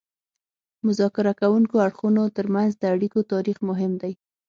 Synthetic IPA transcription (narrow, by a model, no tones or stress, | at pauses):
mʊzɑkɪɾakawuŋkoaɽxunot̪əɾmanzd̪əaɽikot̪ɑɾixmʊɦɪmd̪aj